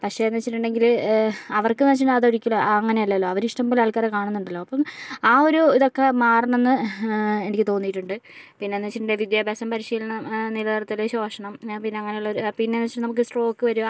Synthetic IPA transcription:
pɐkʂe̞ɐnːɐt͡ɕːiʈːuɳɖe̞ŋɡilɐʋɐrkɨnɐt͡ɕːiɐðoɽikʲːulɐɐŋːɐne̞ɐlːɐlːoːɐʋɐɾiʂʈɐmbilɐːɭkaːɾekaːɳunːuɳɖɐlːo̞ːɐpːɐmaːo̞ɾuiðo̞kːe̞maːrɐɳɐenːɨenikʲːɨt̪o̞ːnːijiʈːuɳɖɨ | pinːe̞nːɐt͡ɕːiʈːuɳde̞ʋid̪jaːbʱjaːɕɐmpɐɾiʂiːlɐnɐnilɐðɐrɐt̪ːileɕo̞ːʂɐɳɐmpinːeɐŋːɐne̞juɭːɐoɾpinːe̞nɐt͡ɕːiʈunɐmuk̬ːɨsʈro̞ːkːɨʋɐɾu

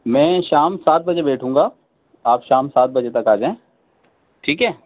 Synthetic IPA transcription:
mɛ̃ːʃaːmsaːt̪̚bɐd͡ʒebɛːʈʰũːŋɡaː | aːpʃaːmsaːt̪̚bɐd͡ʒet̪ɐkaːd͡ʒãẽː | ʈʰiːkɦɛː

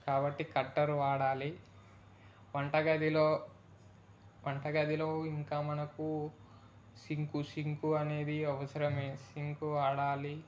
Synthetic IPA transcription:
kaːbɐʈːikɐɖːɐɾuaːɽaːli | ʋɐɳʈɐɡɐd̪iloː | ʋɐɳʈɐɡɐd̪ʱilo̞ːiŋkaːmɐnɐku | siŋkusiŋkuɐne̞ːd̪iɐʋɐsɐɾɐmeːsiŋkuaːɽaːli

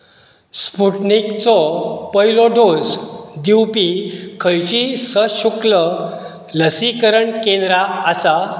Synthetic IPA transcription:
spuʈnikt͡sɔpəjlɔɖosd̪iwpikʰəjt͡ɕisəɕuklə | ləsikəɾəɳkẽnd̪ɾaːsa

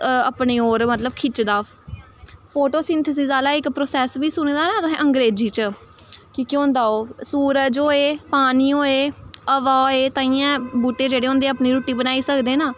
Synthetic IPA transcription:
əpneːoːɾmət̪ləbkʰɪt͡ʃd̪aː | pʰoːʈoːsɪ̃nt̪ʰəs̬iːzaːlaːɪkpɾoːsɛːsʋiːsʊnẽːd̪aːnãːt̪ʊɦɛ̃ːʔəŋɡɾeːd͡ʒiːt͡ʃə | kɪkjõːnd̪aːoːsuːɾəd͡ʒoːeːpaːniːoːeːəʋaːeːt̪ãːiːãːbuːʈːeːd͡ʒeːɽeːõːnd̪ẽːəpniːɾuːʈːiːbənaːiːsəkd̪eːnaː

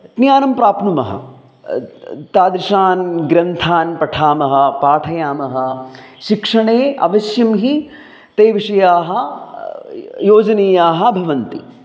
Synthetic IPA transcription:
t̪njaːnɐmpɾaːpnumɐ̰ɦɐ̰ | t̪aːd̪ɾiʃaːnɡɾɐnt̪ʰaːnpɐʈʰaːmɐɦɐ̆paːʈʰɐjaːmɐɦɐ | ʃikʂɐɳeːɐ̰ʋɐʃjɐmɦi | t̪eːʋiʂɐjaːɦɐ̆ | joːd͡ʒɐneːjaːɦɐ̆bʱɐʋɐnt̪ḭ

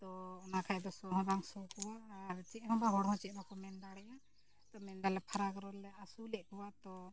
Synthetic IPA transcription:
t̪ɔɔnakʰajd̪ɔsɔɦɔ̃d̪aŋsɔkɔwaʔːɾt͡ʃɛʔɦɔ̃baɦɔɽɦɔ̃t͡ʃɛʔ̚ˀnɔkɔmɛnɖaɽɛja | t̪ɔmɛnɖalɛpʰaɾaɡɾɔlːɛasulɛʔ̚ˀkɔwat̪ɔ

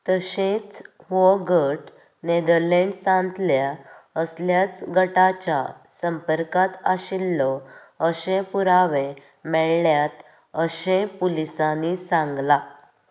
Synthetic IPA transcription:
t̪əɕet͡sʋɔɡəʈ | ned̪əɾleɳɖsãnt̪ljaəsljat͡sɡəʈat͡ɕa̰ | səmpəɾkat̪aɕilːɔ | əɕẽpuɾaʋe | mɛɭːjat̪ | əɕẽpulisanisãŋɡla

